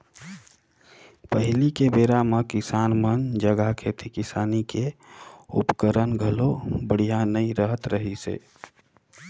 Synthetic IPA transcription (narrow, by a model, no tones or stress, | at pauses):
pəɦɪlikebeɾamekisanmənd͡ʒəɡəɦkʰet̪ʰikisaːnike | ṵpkəɾənɡʱəlobəɽ̤ijanəiɾəɦət̪ɾəɦisḛ